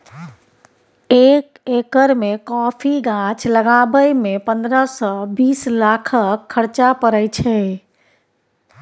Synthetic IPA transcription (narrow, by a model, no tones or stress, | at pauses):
ek | ekəɾmekɔpʰiɡãt͡ʃləɡabəjmepə̃nd̪ɾəsɔbiːslakʰəkʰːəɾt͡ʃapəɾət͡ʃʰɛ